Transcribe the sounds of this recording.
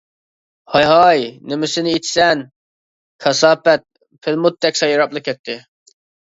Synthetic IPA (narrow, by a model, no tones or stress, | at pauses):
hɑjɦɑjnemɪsɪnɪit͡ʃ̪ʰsɛn | kʰɑsɑːpɛt̪̚ | pʰɪlmut̪ʰːɛkʲsɑjɑɾɑplˠɨkʲʰɛt̪ʰːɪ